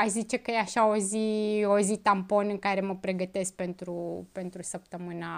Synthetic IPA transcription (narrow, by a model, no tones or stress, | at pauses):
azit͡ʃe̞kəjeaʃao̞ziozit̪ampo̞nɨŋkaɾe̞məpɾe̞ɡət̪e̞sk̚pe̞nt̪ɾupe̞nt̪ɾusəp̚t̪əmɨna